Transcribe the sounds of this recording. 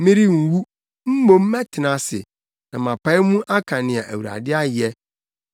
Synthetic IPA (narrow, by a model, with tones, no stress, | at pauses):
mĩ˦ɾi˦ŋ̩˨wu˦ | m̩˦bo˦m̩˦mɛ˦tʰɪ˨nã˨sɪ̰˨ | nã˨mã˨pʰa˦ɪ˦mũ˦ʔa˦kʰã˨nɪ̃˨a˨ʔæ˨wu˨ɾa̰˨dɪ˦a˦jɛ˦